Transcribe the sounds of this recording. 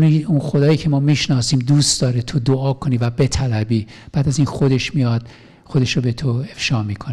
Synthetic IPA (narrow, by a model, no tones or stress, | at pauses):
niunxo̞d̪ɒːjiːcʰemɒːmiːʃnɒːsiːmd̪uːst̪d̪ɒːɾet̪ʰo̞d̪oɒːkʰo̞niːvæbe̞t̪ʰælæbiː | b̥æːd̪æziːnxo̞d̪e̞ʃmijɒːd̪̥̚ | xo̞d̪e̞ʃɾobet̪ʰo̞e̞fʃɒːmiːkʰone